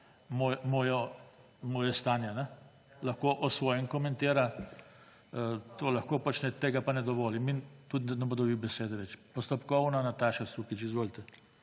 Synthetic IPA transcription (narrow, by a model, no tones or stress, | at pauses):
mojmɔːjɔ | mɔːjɛst̪aːnjɛnɛ | laxkoːʔɔsʋoːjɛŋkɔmɛ̃nt̪eːɾa | t̪oːlaxkoːpat͡ʃnɛt̪eːɡapanɛd̪ɔʋoːlimint̪ud̪nɛboːd̪ɔbiwbɛseːd̪ɛʋɛt͡ʃpɔst̪ɔpkɔwnanat̪aːʃasuːkit͡ʃizʋoːlt̪ɛ